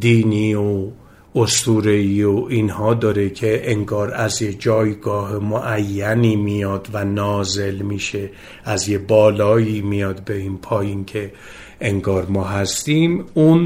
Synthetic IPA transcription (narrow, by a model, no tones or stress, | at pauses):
d̪iːniːo | ost̪uːɾeiːoiːnhɒːd̪ɒːɾekʰe̞ʔeŋɡɒːɾæzjed͡ʒɒːjɡɒːɦemoʔæjːæniːmijɒːd̪vænɒːze̞lmiːʃe̞ | ʔæzjebɒːlɒːjiːmijɒːd̪beinpʰɒːjincʰe̞ | ʔeŋɡɒːɾmɒːɦæst̪iːmun